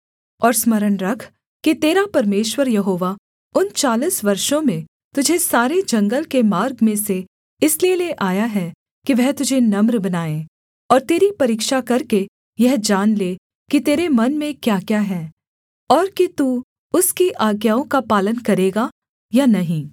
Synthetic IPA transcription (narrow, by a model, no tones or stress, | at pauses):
ɔːɾsmɐɾənɾɐkʰ | kit̪eːɾapɐɾmeːʃwəɾjɐɦoːʋa | ʊnt͡ʃaːliːsʋɐɾʃõmẽ | t̪ʊd͡ʒʱesaːɾed͡ʒɐ̃ŋɡəlkemaːɾɡmẽse | ɪslieleʔaːjaɦɛ | kiʋɛɦt̪ʊd͡ʒʱenɐmɾbɐnaːẽ | ɔːɾt̪eːɾipɐɾiːkʃakɐɾke | jɛɦd͡ʒaːnleː | kit̪eːɾemɐnmẽkjaːkjaːɦɛː | ɔːɾkit̪uː | ʊskiʔaːɡjaːõkapaːlənkɐɾeːɡa | janɐɦĩː